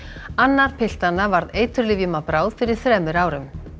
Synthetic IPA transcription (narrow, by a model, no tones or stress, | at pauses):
anːaɾ̥pʰɪl̥t̪anːavaɾðejt̪ʏɾlɪvjʏmapɾaːwð̥fɪɾɪɾ̥θɾɛːmʏɾaːwɾʏm